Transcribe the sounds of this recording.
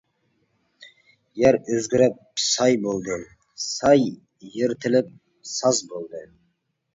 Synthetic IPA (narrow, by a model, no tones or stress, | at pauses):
jæɾɵzɡʲɪɾæp̚sɑjbolˠd̪ə | sɑjː | eɾt̪ʰɪlɪp̚ | sɑzbolˠd̪ə